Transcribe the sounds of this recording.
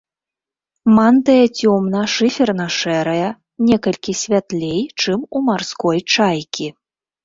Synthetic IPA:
mant̪ɐjɐt͡sʲɔmnɐʂɨfʲɛrnɐʂɛɾɐjɐ | nʲɛkɐlʲkʲisʲvʲat̪lʲejt͡ʂɨmumarskɔjt͡ʂajkʲi

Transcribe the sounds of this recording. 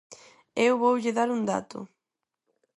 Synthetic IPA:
ewβowʎɪðaɾund̪a̰t̪ʊ̰

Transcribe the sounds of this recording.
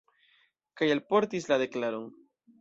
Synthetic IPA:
kajalpo̞ɾt̪islaðe̞klaɾoŋ

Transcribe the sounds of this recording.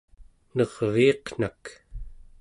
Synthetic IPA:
nʌʁviːqn̥ak

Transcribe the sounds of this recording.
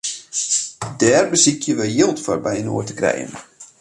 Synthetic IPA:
dɛːrbəsikʰjəʋəjɪlˠtfɔrbɛjəno̰ːərtə̥krɛ̰jə̰n

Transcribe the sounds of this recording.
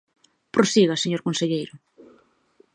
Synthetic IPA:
pɾosiɣaseɲoɾkõnseʎejɾʊ

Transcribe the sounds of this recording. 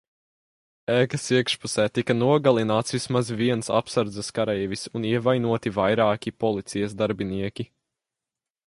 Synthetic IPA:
ɛːkɐsiɛkʃpusɛːt̪ikɐnuɔɡalˠinaːt̪svismazviɛnsa̰psaɾd̪zɛskaɾɛjvisuniɛvajnuɔt̪ivajɾaːkʲipɔlˠit̪sijɐzd̪aɾbiniɛkʲi

